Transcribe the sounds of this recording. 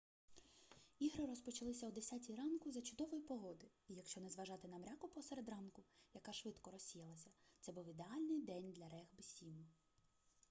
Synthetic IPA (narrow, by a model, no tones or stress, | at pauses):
iɦɾɪɾɔspɔt͡ʃɐlˠɪsʲɐwd̪esʲatʲiɾɑnkʊzɐt͡ʃʊd̪ɔʋɔjipɔɦɔd̪ɪ | ijɐkʃt͡ʃɔnɛzʋɐʒɑt̪ɪnɐmɾʲakʊpɔseɾed̪rɑnkʊjɐkɑʃʋɪt̪kɔɾɔsʲijɐlˠɐsʲɐt̪sɛbuwid̪eɑlʲnɪjd̪ɛnʲd̪lʲɐɾɛɣbɪsʲimʊ